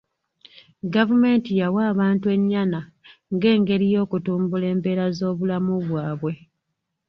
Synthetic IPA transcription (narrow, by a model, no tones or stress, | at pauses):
ɡavume̞ːntijawaːβaːntue̞ɲːana | ŋɡe̞ːŋɡe̞ɾijo̞ːkutuːmbule̞ːmpe̞ːɾazo̞ːβulamuβwaːβwe̞